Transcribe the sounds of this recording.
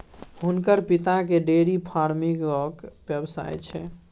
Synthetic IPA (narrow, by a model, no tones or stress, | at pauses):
ɦunkəɾpit̪akeɖeɾipʰaɾmikɔkbjəbsa̰jt͡ʃʰɛ